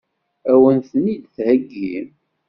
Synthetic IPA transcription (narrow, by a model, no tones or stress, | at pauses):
æwənθnid̪θhəɡːḭm